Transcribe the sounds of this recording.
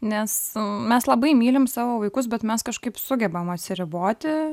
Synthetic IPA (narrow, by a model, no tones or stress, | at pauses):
nʲɛsmʲɛslˠɐbɐɪmʲiːlʲɪmsɑːʋoːʋɐɪkʊs̬bʲɛt̪mʲɛskɐʃkɐɪpsʊɡʲɛbɐmɐt̪ʲsʲɪɾʲɪboːt̪ʲɪ